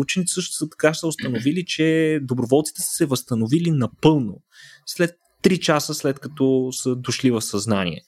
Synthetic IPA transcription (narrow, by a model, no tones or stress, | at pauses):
ut͡ʃɛnit̪ɛsɤʃt̪ʊ̥sət̪ɐ̥kasəʊst̪ɐnovilit͡ʃɛd̪obɾovɔlˠt̪si̥t̪ɛ̥sə̥sɛvəst̪ɐnovilinɐpɤlˠno | slɛt̪ːɾit͡ʃasəslɛt̪kɐt̪ɔsəd̪oʃlivɐfsɐznanḭɛ̰